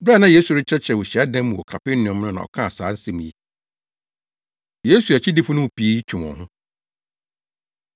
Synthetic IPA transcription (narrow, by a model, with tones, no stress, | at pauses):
bɾa˦nã˦jeː˦su˨ɾɪ˦t͡ɕʰɛ˦t͡ɕʰɛ˨wʊ˨ɕi˨a˦dã˦mː˦ũ˨ɔ˨kʰa˨pɪ˦n˦nʊ̃˨ɔ̃˨m˦nʊ̃˦nã̰˨ɔ̰˨kʰã˦a˨saː˨˦n̩˦sɛ̃˦m̃˨ji˦ | je˦su˨æ˨t͡ɕʰɪ˦dɪ˦fʊ˦nʊ̃˦˨pʰi˨e˦ji˦t͡ɕᶣʰu˨mɔ̰̃˨hʊ̃˦